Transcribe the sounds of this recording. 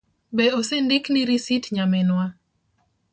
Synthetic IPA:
beosendɪkniɾisitɲamɛnwa

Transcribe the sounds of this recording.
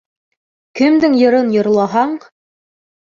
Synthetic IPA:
kɘ̆md̪ɘŋjɤ̆ɾɤnjŏɾlˠɑɦɑɴ

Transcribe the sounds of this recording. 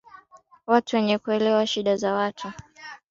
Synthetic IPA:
watuwɛɲɛkuɛlɛwaʃiɗazawatʰu

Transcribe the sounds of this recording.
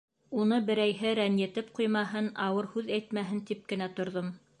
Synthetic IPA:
unɤbɘ̆ɾæjɦɘɾænjɘ̆t̪ɘp̚qujmɑɦɤnɑwɤɾhʉðæjt̪mæɦɘnt̪ip̚kɘ̆næt̪ŏɾðom

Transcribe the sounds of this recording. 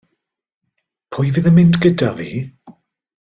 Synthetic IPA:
pʰʊjvɨðəmɪndɡədavii

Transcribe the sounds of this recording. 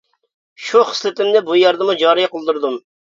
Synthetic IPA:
ʃuχə̥slɪt̪ɪmd̪ɛbujɑɾd̪əmud͡ʒɑːɾijɑqəlˠd̪uɾd̪um

